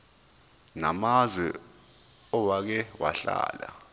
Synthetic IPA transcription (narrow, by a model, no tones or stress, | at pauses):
na̰mazwɛ | ɔwak̬ɛwa̰ɬa̰ːla